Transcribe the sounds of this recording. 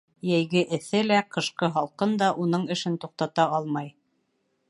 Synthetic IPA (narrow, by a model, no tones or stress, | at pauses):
jæjɡɘʔɘ̆θɘlæqɤ̆ʃqɤɦɑlˠqɤnd̪ɑʔunɤɴɘ̆ʃɘnt̪uq̚t̪ɑt̪ɑɑlˠmɑj